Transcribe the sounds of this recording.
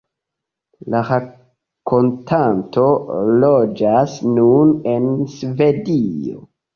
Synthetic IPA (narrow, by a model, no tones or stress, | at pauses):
laɾa | kʰo̞ntʰanto̞lo̞d͡ʒasnunensve̞dio̰